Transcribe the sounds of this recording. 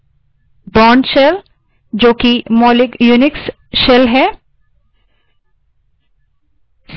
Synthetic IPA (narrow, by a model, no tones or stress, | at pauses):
bɔnʃel | d͡ʑoːkimɔlikjuniks | ʃelɦɛ